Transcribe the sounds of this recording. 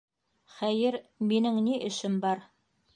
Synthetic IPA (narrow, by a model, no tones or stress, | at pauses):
χæjɘɾminɘŋniʔɘ̆ʃɘmbɑɾ